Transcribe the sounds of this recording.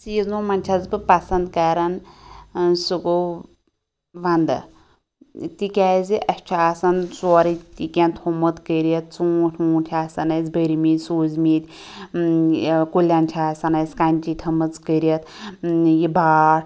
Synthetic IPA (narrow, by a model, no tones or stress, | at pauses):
siznomɐnʲt͡ʃʰɐzbɨpɐsɐnd̪kaɾɐn | sɨko | ʋɐnd̪ɨ̰ | t̪ikʲaziʔɐsʲt͡ʃʰaːsɐnsoːɾit̪ikʲent̪ʰomɨt̪kəɾjɐt̪̚t͡suːʈʰʲmuːtʰʲaːsɐnɐzbəɾimit̪ʲsuːzmit̪ʲ | kulʲːant͡ʃʰaːsɐnɐskanʲt͡ʃit̪ʰɐmɨt͡skəɾijɐt̪ | jibaːɽ